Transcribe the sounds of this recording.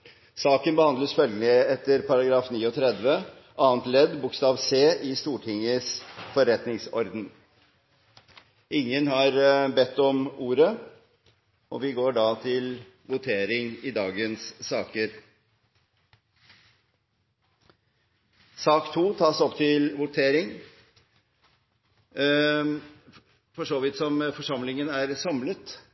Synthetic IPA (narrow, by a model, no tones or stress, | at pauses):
sɑːkənbəhɑnd̪ləsfœlɡəlɪɛt̪ːəɾpʰɑɾɑɡɾɑːfniːɔt̪ʰɾɛd̪ʋə | ʔɑːənt̪lɛd̪bʊkst̪ɑːʋseːʔɪst̪uːʈʰɪŋəsfɔɾɛt̪nɪŋsɔɾd̪n | ʔɪŋːənhɑɾbɛt̪ːɔmuːɾə | ʔɔ̰ʋɪɡoːɖɑt̪ʰɪl | ʋʊt̪ʰeːɾɪŋɪd̪ɑːɡənsːɑːkəɾ | sɑːkt̪ʰuːt̪ʰɑːsɔpːt̪ʰɪlʋʊt̪ʰeːɾɪŋ | fɔʂoːʋɪt̪sɔmfɔʂɑmlɪŋənæɾsɑmlət̪